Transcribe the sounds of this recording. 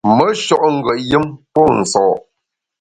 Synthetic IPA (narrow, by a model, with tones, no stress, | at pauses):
mə˦ʃɔ˦ʔŋ̩˦ɡwə˨ʔjɨ˦mpɔ˦˨n̩˨sɔː˨